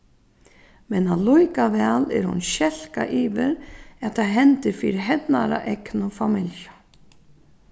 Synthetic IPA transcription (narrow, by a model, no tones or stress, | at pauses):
mɛnalɔjkavɛːlɛ̰ɾhʊ̰nɕɛl̥kaʔiːvɪɾat̪ʰaɦɛnt̪ɪɾfiːɾɪɦɛt̪naɾa̰ʔɛknʊfamɪljə